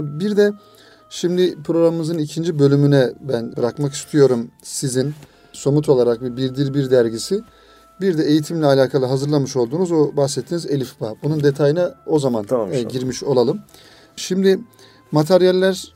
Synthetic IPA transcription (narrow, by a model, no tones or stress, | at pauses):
biɾd̪ɛ | ʃimd̪ipʰɾo̞ɡɾamɯmɯzɯnicʰind͡ʒibø̞lʲymynɛbænbɯɾakmaki̥st̪ʰijo̞ɾumsizin | so̞mut̪ʰo̞lˠaɾakvɛbiɾd̪iɾbiɾd̪æɾɟisi | biɾd̪ɛejit̪ʰimlʲɛalʲaːkʰalˠɯɦazɯɾlˠamɯʃo̞lˠd̪uːnuzobaxsɛt̪ʰːiːnize̞lʲifbabunund̪e̞t̪ʰajinao̞zamanɟiɾmiʃo̞lˠalˠɯm | ʃimd̪i | mat̪ʰeɾijɛlʲːæɾ